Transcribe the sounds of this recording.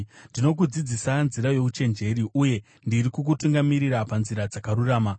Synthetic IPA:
ndino̞k̬ud͡zid͡zisanziɾajo̞kut͡ʃe̞nd͡ʒe̞ɾiʔuje̞ | ndiɾikuk̬utuŋɡamiɾiɾapanziɾad͡zakaɾuraːma

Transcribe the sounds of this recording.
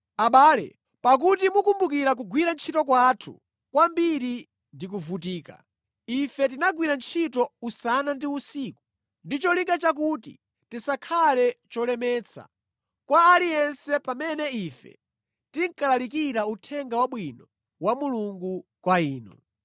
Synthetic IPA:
aɓaːlɛ̰ | pak̬utimukumbukiɾak̬uɡwiɾant͡ʃʰitɔkwatʰṵ | kwambiɾi | ndik̬uvut̬iːka̰ | ifɛt̬inaɡwiɾant͡ʃʰitɔusanandiusiku | ndit͡ʃɔliŋkɡat͡ʃak̬utḭ | tisakʰalɛt͡ʃɔlɛmɛːt͡sʰa̰ | kwaːlijɛnsɛpamɛnɛifɛ̰ | tiŋkalalikiɾautʰɛŋɡawaɓwinɔ | wamuluŋɡukwaiːnɔ̰

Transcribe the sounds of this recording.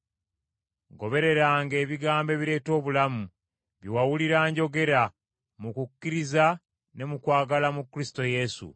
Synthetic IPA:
ɡo̞βe̞ɾe̞ɾaŋɡe̞ːβiɡaːmbe̞ːβiɾe̞ːto̞ːβulamu | βiwawuliɾaːɲɟo̞ɡe̞ɾa | mukukːiɾiza | ne̞mukwaːɡalamukːɾisto̞je̞sṵ

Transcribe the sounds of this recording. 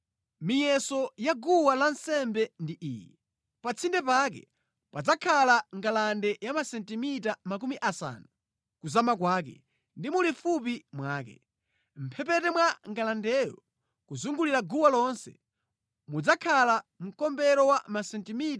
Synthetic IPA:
mijɛsɔjaɡuwalansɛmbɛndiʔiːjɛ | pat͡sʰindɛpak̬ɛ̰ | pad͡zakʰalaŋɡalandɛjamasɛntimitamak̬umiʔasa̰nu | kuzamak̬waːk̬ɛ̰ | ndimulifup̬imwaːkɛ̰ | m̩pʰɛpɛtɛmwaŋɡalandɛjɔ̰ | kuzuŋɡuliɾaɡuwalɔnsɛ̰ | mud͡zakʰalam̩kɔmbɛɾɔwamasɛntimit

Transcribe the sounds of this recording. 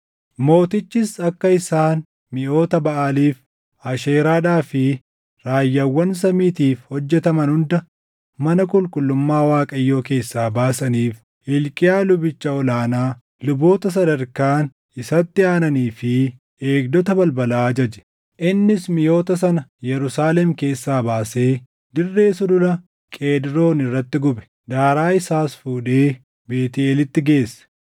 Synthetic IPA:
mo̞ːt̪ɪt͡ʃːɪsɐkːɐɪsaːn | mɪjo̞ːt̪ɐbɐʔaːliːf | ɐʃeːɾaːᶑaːfɪ | ɾaːjːɐwːɐns̬ɐmiːt̪iːfhɔd͡ʒːɛt̪ɐmɐnhʊnd̪ɐ | mɐnɐkʼʊlkʼʊlːʊmːaːwaːkʼɐjːo̞ːke̞ːsːaːbaːsɐniːf | ɪlkʼɪjaːlʊbɪt͡ʃːɐɔlaːnaː | lʊbo̞ːt̪ɐs̬ɐd̪ɐɾkaːn | ɪsɐt̪ːɪaːnɐniːfɪ | e̞ːɡd̪ɔt̪ɐbɐlbɐlaːd͡ʒɐd͡ʒɛ̥ | ʔɪnːɪsmɪjo̞ːt̪ɐs̬ɐnɐjɛɾʊsaːlɛmke̞ːsːaːbaːse̞ː | d̪ɪrːe̞ːsʊd̪ʊlɐ | kʼe̞ːd̪ɪɾo̞ːnɪrːɐt̪ːɪɡʊbɛ̥ | d̪aːɾaːɪsaːsfuːᶑe̞ː | be̞ːt̪ɪeːlɪt̪ːɪɡe̞ːsːɐ̥

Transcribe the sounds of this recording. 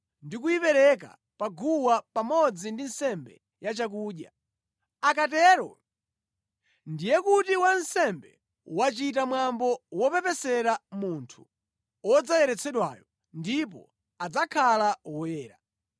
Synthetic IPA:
ndikujipɛɾɛk̬a̰ | paɡuwapamɔd͡zindinsɛmbɛ̰ | jat͡ʃak̬uːɗja | akat̬ɛɾɔ̰ | ndijɛkutiwansɛmbɛ | wat͡ʃit̬amwambɔwɔpɛpɛsɛɾamuntʰu̥ | ɔd͡zajɛɾɛt͡sʰɛɗwaːjɔ | ndip̬ɔ̰ | ad͡zakʰalawɔjɛːɾa

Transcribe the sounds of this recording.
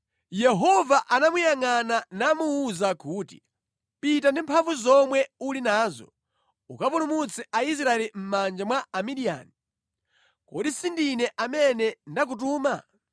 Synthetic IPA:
jɛɦɔvaʔanamujaŋananamuːzakuːti̥̰ | pit̬andimpʰaɱvuzɔmwɛulinaːzɔ̰ | ukapulumut͡sʰɛʔais̬ɾaɛlim̩mand͡ʒamwaamiɗia̰ːni | kɔɗisindinɛʔamɛnɛndak̬ut̬uːma

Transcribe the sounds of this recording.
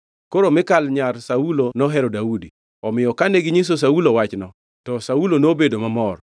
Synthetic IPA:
koɾomɪkalɲarsaulonɔɦɛɾɔdaudi | ɔmɪjɔkaneɡɪɲis̬os̬aulowat͡ʃnɔ | tɔsaulonobedomamɔr

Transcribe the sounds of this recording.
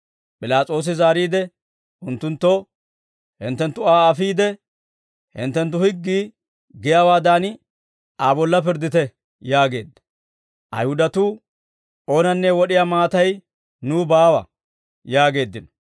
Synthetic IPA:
pʼɪlaːt͡sʼo̞ːs̬ɪzaːɾiːd̪ɛ | ʊnt̪ːʊnt̪ːo | hɪ̰nt̪ːɛnt̪ːʊaːɐfiːd̪ɛ | hɪ̰nt̪ːɛnt̪̬ːʊhɪɡːiː | ɡɪjaːwaːd̪aːn | aːbɔlːɐpɪɾd̪ɪt̪ɛ | jaːɡe̞ːd̪ːɐ̥ | ʔɐ̰jhʊd̪ɐt̪uː | ʔo̞ːnɐnːɛwɔɗɪjaːmaːt̪ɐj | nuːbaːwɐ̰ | jaːɡe̞ːd̪ːɪnɔ̥

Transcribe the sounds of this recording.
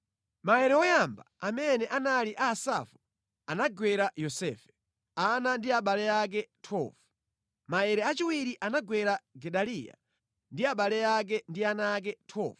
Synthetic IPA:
maɛɾɛɔjamba̰amɛnɛʔanaliʔaːsa̰fu | anaɡwɛɾajɔsɛːfɛ̥ | anandiaɓalɛak̬ɛtʰɔ̰vu | maɛɾɛat͡ʃiwiɾiʔanaɡwɛɾaɡɛɗalija̰ | ndiaɓalɛak̬ɛndianaːk̬ɛtʰɔ̰ːvu

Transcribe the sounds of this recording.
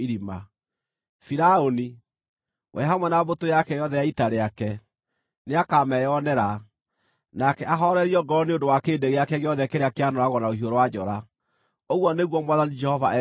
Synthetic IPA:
iɾima | fiɾaoni | wʔɛ̰ɦamwɛnabotojakɛjɔðɛjaitaɾeakɛ | neakamɛjɔnɛɾa | nakɛaɦɔɾɛɾiɔɡɔɔneondowakeːdeɣeakɛɣeɔðɛkeɾeakeanɔɾaɣɔnaohioɾowad͡ʒɔɾa | oɣwɔneɣwɔmwaðanid͡ʒɛhɔvaʔɛ

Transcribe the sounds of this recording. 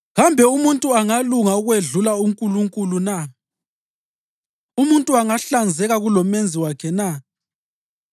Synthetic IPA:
ɣambʱɛumuntʼuaŋaluŋauɣweɮulauŋkʼuluŋkʼuluna | umuntʼuaŋaɬand͡zʱɛɣaɣulɔmend͡zʱiwakʰɛna

